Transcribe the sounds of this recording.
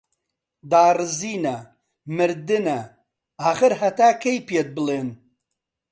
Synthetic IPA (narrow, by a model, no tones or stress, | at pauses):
d̪aːrɨziːnɐ | mɨɾd̪ɨnɐ | aːɣɨɾɦɐt̪aːkʰɐjpiet̪̚bɨleːn